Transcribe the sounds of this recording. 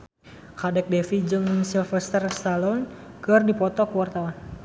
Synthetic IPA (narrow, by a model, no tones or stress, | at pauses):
kadɛk̚dɛfid͡ʒɨŋsilfɛst̪ərst̪alɔnkɨrdipɔt̪ɔkəwart̪awan